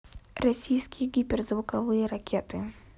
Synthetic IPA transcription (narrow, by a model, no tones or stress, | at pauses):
rasʲijsʲkʲijɡʲipʲɛrzvʊkavɨjɐɾakʲʰɛt̪ɪ